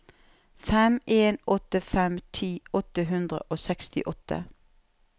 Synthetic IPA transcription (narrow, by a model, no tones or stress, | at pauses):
fɛmeːnɔt̪əfɛmt̪ʰiːɔt̪əɦʉnd̪ʁə̰ʔoːsɛkst̪ɪ̰ʔɔt̪ə̰